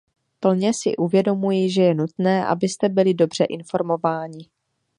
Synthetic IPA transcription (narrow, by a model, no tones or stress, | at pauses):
pl̩ɲɛsɪ̰ʔuvjɛdo̞mujiʒɛjɛnut̪nɛːʔa̰bɪst̪ɛbɪlɪdo̞br̝ɛʔɪnfo̞ɾmo̞vaːɲɪ